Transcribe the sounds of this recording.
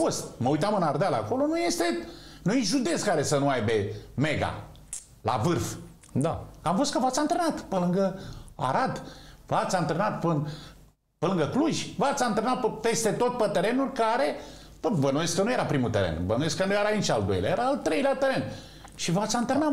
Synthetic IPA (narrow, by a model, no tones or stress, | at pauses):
fost̪məujt̪amɨnard̪ealako̞lo̞nuje̞st̪e̞nujiʒud̪e̞t̪skaɾe̞sənuajbe̞me̞ɡa̰ | la̰vɨrf | d̪akamfo̞st̪̚kəvat̪saɨnt̪ɾenat̪pəlɨŋɡəa̰ɾad̪vat̪saɨnt̪ɾenat̪pɨn | pəlɨŋɡəkluʒʲvat̪saɨnt̪ɾenat̪pe̞st̪e̞t̪o̞t̪̚pət̪eɾe̞nulkaɾe̞ | pəvənujeskənuje̞ɾapɾimut̪eɾḛnbənujeskənujeɾanit͡ʃald̪o̞jlḛa̰jeɾaːlt̪ɾe̞jlʲat̪eɾe̞n | ʃivat̪sant̪ɾena